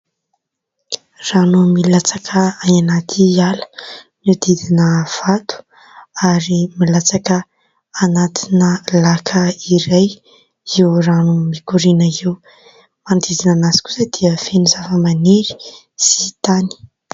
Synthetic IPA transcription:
ranumilat͡sakʰəajanat̪ʰialə̥ | niwd̪id̪inəv̥at̪u̥ | aɾimilat͡sakə | anat̪ʰinəlakʰəiɾaj | iwranumikuɾinəiw | mand̪izinanasi̥ku̥səd̪̥iəfenuzafəmaneɾi̥ | si̥t̪ani̥

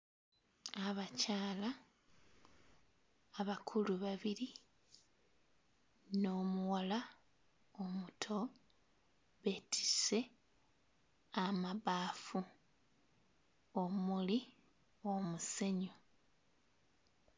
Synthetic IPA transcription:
aβacaːla | βakʰuluβaβiɾi | no̞ːmuwala | omutʰo̞ | βe̞tʰi̥se̞ | amaβaːfu | omuli | o̞muse̞ɲo

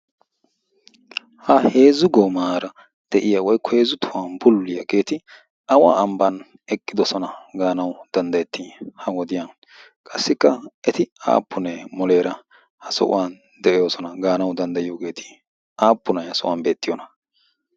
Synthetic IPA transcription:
hɐhe̞ːzʊɡɔmaːɾɐ | d̪̥ɛʔɪjaːwɔjkːɔhe̞ːzʊt̪ʰʊwaːnbʊlːɪjɐɡe̞ːt̪ɪ | ɐwa̰ːɐmbɐn | ɛkʼːɪd̪ɔsɔnɐɡaːnɐwd̪̥ɐnd̪ɐjɛt̪ːɪhɐwɔd̪ɪjan | kʼɐsːɪkːɐʔɛt̪ɪa̰ːpːʊnɛmɔle̞ːɾɐ | hɐsɔ̰ʔʊ̰wan | d̪ɛʔɪjo̞ːsɔnɐɡaːnɐwd̪ɐnd̪ɐjɪjoːɡe̞ːt̪ʰɪ̥ | aːpːʊnɐjɐsɔʔʊ̰waːnbe̞ːt̪ːɪjɔnɐ

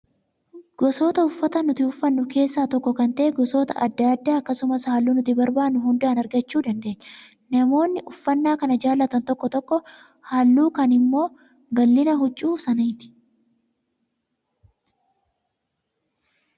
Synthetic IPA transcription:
ɡ̥ɔsoːt̪ɐʊfːɐt̪ɐnʊt̪ɪʊfːɐnːʊke̞ːsːaːt̪ɔkːɔkɐnt̪ɐʔɛɡɔsoːt̪ɐ̰ʔɐd̪ːɐɐd̪ːaːɐkːɐsʊmɐshaːlːuːnʊt̪ɪbɐɾbaːnːʊɦʊnd̪aːnɐɾɡɐt͡ʃːuːd̪ɐnd̪e̞ːɲːɛ | nɐmo̞ːnːɪʔʊfːɐnːaːkɐnɐd͡ʒaːlːɐt̪ɐnt̪ɔkːɔt̪ɔkːɔ | haːlːuːkɐnɪmːo̞ː | bɐlːɪnɐɦʊt͡ʃʼːuːsɐnɐjɪt̪ɪ̥

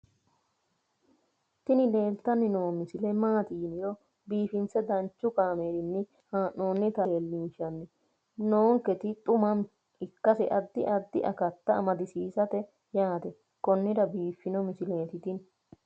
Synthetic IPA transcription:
t̪ɪnɪle̞ːlt̪ːɐnːɪno̞ːmɪsɪlɛmaːt̪iːnɪjɔ | biːfɪnt͡sɛd̪ɐnt͡ʃːʊkaːmeːɾɪnːɪ | haːʔo̞ːnːɪt̪ɐːlːiːʃɐnːɪ | noːŋkːɛt̪ɪt̪ʼʊmɐm | ɪkːɐsɛʔɐd̪ːɪ̰ʔɐd̪ːɪ̰ʔɐ̰kɐt̪ːɐɐmɐd̪ɪsiːsɐt̪ɛ | jaːt̪ɛ | kɔnːɪdɐbiːfːɪnɔmɪsɪleːt̪ɪt̪ɪn

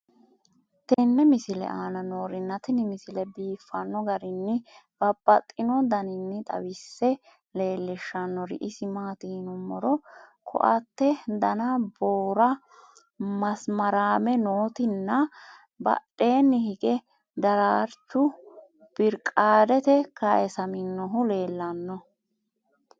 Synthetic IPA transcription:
t̪ɛnːɛmɪsɪlɛ̰ʔaːnɐnoːɾɪnːɐt̪ɪnɪmɪsɪlɛbiːfːɐnːɔɡɐɾɪnːɪb̥ɐb̥ːɐt̪ʼːɪnɔd̪ɐnɪnːɪt̪ʼɐ̰wɪsːɛ | le̞ːlːɪʃːɐnːɔɾɪ̰ʔɪsɪmaːt̪iːnʊmːɔɾɔkʰɔ̰ʔɐt̪ːɛd̪ɐnɐboːɾɐ | mɐsmɐɾaːmɛnoːt̪ɪnːɐ | bɐ̰ɗːe̞ːnːɪhɪɡɛ | d̪ɐɾaːɾt͡ʃːʊ | b̥ɪɾkʼaːd̪ɛt̪ɛkaʔɛsɐmɪnːɔɦʊle̞ːlːɐnːɔ

